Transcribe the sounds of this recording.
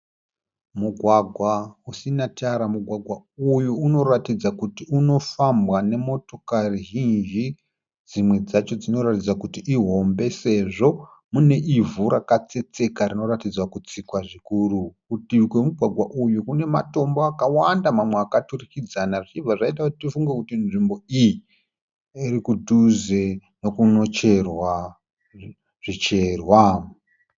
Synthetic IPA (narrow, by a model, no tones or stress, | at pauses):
muɡʱwaɡʱwausinataɾamuɡʱwaɡʱwaujuːno̞ratid͡zakutiuno̞fambwane̞mo̞to̞kariɦind͡ʒi | d͡zimwe̞d͡zat͡ʃo̞d͡zino̞ratid͡zakutiʔiɦo̞mbe̞se̞ʐo̞ | mune̞ʔivuɾakat͡se̞t͡se̞karino̞ɾatid͡zwakut͡sikwaʐikurukutikwe̞muɡʱwaɡʱwaʔujukune̞mato̞mboakawandamamweakaturikid͡zanaʐit͡ʃib͡vaʐait̬akutitifuŋɡekutinʐimbo̞iji | iɾikudʱuzeno̞kuno̞t͡ʃe̞rwa | ʐ̥it͡ʃe̞rwa